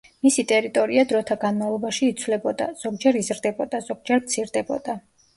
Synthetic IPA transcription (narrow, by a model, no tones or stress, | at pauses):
misit̪ʼɛɾit̪ʼɔɾiad̪ɾɔt̪ʰaɡanmavlˠɔbaʃiːt̪sʰvlɛbɔd̪a̰z̥ɔɡd͡ʒɛɾizɾd̪ɛbɔd̪az̥ɔɡ̥̚d͡ʒɛɾmt̪sʰiɾd̪ɛbɔ̰d̪̥a